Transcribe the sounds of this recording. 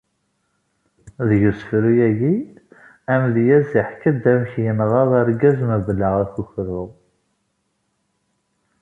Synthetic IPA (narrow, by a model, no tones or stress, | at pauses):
ðjusfɾujæɡi | æmljæziħkəd̪æmçjənʁɑðˤæɾɡæzmævəlːəʁækuçɾʊ